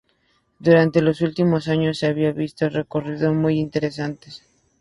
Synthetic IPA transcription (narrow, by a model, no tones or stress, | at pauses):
d̪uɾant̪e̞lo̞sult̪imo̞saɲo̞sːeaβiaβist̪ore̞ko̞riðo̞smujint̪e̞ɾe̞sant̪es